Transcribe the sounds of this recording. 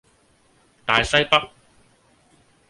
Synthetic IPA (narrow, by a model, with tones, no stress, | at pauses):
t̪aː˨jsɐ˥jpɐ˥k̚